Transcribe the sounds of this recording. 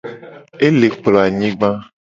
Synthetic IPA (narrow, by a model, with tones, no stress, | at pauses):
e˦le˨k͡plɔ˨a˨ɲĩ˦ɡ͡bã˦